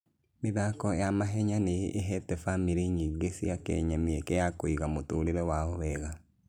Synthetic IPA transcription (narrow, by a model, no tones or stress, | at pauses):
meðakɔjamaɦɛɲaneʔeɦɛtɛfamiɾeɲiɡesiakɛ̰ɲameɛkɛjakoiɣamotoːɾeɾɛwaɔβɛɣa